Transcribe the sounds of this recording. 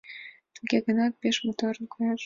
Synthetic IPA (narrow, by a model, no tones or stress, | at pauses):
t̪uɡʲeɡɤ̆nɑt̪̚pʲeʃmot̪oɾnkojɑʃ